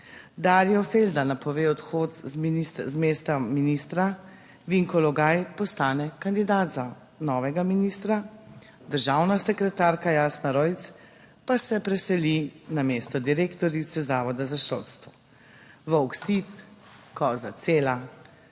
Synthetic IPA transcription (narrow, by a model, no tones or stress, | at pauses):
d̪aːɾjɔfeld̪anapɔʋeːɔt̪xoːt̪zminiszmeːst̪aminist̪ɾa | ʋiŋkɔlɔɡajpɔst̪aːnɛkand̪id̪aːd̪za | nɔːʋɛɡaminist̪ɾa | d̪əɾʒawnasɛkɾɛt̪aːɾkajaːsnaɾɔjt̪s | pasɛpɾɛsɛlinameːst̪ɔd̪iɾeːkt̪ɔɾit̪sɛzaːʋɔd̪azaʃo̰t̪st̪ʋɔ | ʋəwksit̪ | kɔzat̪seːla